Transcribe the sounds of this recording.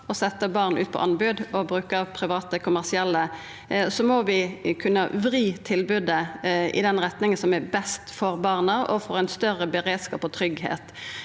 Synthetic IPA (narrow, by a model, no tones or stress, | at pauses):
ɔsɛt̪ːəbɑʁnʔʉ̰ːt̪pʰɔ̰ʔɑnbʉːd̪ɔbɾʉːkəpʰɾɪʋɑːt̪əkʰʊmæʁsɪɛlːə | sɔmɔʋɪkʰʉnːə̰ʋɾiːt̪ʰɪlbʉd̪əʔɪ̰d̪ɛnɾɛt̪nɪŋənsɔmæɾbɛst̪fɔɾbɑʁnəɔfɔːɾæɪnst̪œrəbəɾeːd̪skɑ̰ːpɔt̪ʰɾʏɡhḛːt̪